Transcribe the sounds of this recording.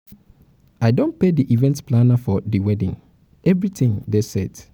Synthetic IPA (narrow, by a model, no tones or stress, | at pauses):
aɪdõnpediʔivɛ̃ntpʰlanafɔdiwɛdĩŋ | ɛvɹitĩŋdesɛd